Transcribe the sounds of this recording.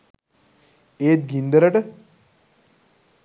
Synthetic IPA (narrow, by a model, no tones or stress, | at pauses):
eːt̪̚ɡind̪ɐɾɐʈə